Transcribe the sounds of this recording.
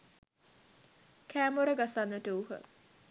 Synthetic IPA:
kʰæːmoɾəɡasanːəʈəuɦə̰

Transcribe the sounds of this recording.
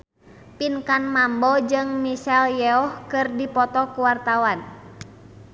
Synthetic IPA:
pinkanmambɔd͡ʒɨŋmisɛljɛɔhkɨrdipɔt̪ɔkuwart̪awan

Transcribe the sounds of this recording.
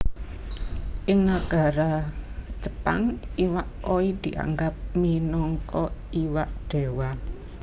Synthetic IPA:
ʔɪŋnaɡ̥a̤ɾat͡ʃə̥pa̰ŋiwaʔoid̪̥i̤ʔa̰ŋɡap̚minɔŋkɔiwaʔɖ̪̥e̤wa

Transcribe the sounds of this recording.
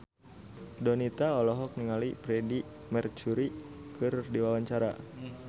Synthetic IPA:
dɔnit̪aɔlɔɦɔk̚niŋalipɾɛdi | mɛrt͡ʃuɾikɨrdiwawaɲt͡ʃaɾa̰

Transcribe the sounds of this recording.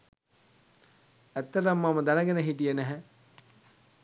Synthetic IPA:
æt̪ːɐɾɐmːamɐd̪ɐnɐɡenəɦiʈijənæɦɛ

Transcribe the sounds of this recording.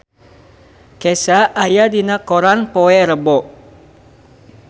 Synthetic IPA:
kɛsaʔajadinakoɾanpoɛɾəbɔ

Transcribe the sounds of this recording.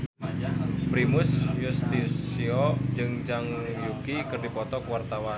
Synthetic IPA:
pɾimʊsjust̪isiɔd͡ʒɨŋd͡ʒaŋjukikɨrdipɔt̪ɔkwart̪awan

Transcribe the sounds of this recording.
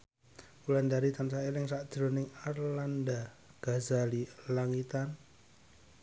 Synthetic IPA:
ulandaɾit̪ansaelɪŋsad̥d̥ɾonɪŋarlanda | ɡ̥azalilaŋit̪an

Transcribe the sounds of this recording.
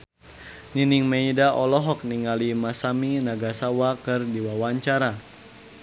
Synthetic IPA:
niniŋmaidaʔɔlɔɦɔk̚niŋalimasaminaɡasawakɨrdiwawaɲt͡ʃaɾa

